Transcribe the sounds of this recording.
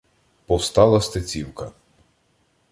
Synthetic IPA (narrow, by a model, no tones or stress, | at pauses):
pɔwst̪ɑlˠɐst̪et͡sʲiwkɐ